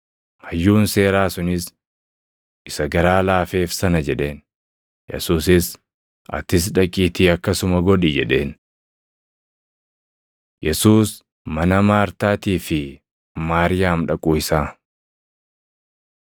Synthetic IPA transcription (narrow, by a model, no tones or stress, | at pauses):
hɐjːuːnse̞ːɾaːsʊnɪs | ʔɪsɐɡɐɾaːlaːfe̞ːfsɐnɐd͡ʒɛᶑe̞ːn | jɛ̰suːsɪs | ʔɐ̰t̪ɪs̬ᶑɐkʼiːt̪iːɐkːɐsʊmɐɡɔᶑɪd͡ʒɛᶑe̞ːn | jɛsuːs | mɐnɐmaːɾt̪aːt̪iːfɪ | maːɾɪjaːmᶑɐkʼuːɪsaː